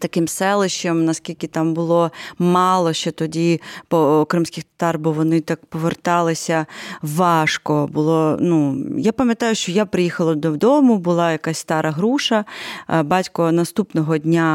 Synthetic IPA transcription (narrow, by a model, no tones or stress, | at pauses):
t̪ɐkɪmsɛlˠɪʃt͡ʃɛmnɐskʲilʲkʲɪt̪ɑmbʊlˠɔmɑlˠɔʃt͡ʃɛt̪ɔdʲipɔkɾɪmsʲkʲɪxt̪ɐ̥t̪ɑrbɔwʋɔnɪt̪ɑkpɔʋert̪ɑlˠɪsʲɐʋɑʃkɔbʊlˠɔnujapɐmʲjɐt̪ɑjʊʃt͡ʃɔjapɾɪjixɐlˠɐd̪ɔwd̪ɔmʊbʊlˠɑjɐkasʲst̪ɑɾʔɐɦɾuʃɐbɑtʲkɔnɐst̪upnɔɦɔdʲnʲa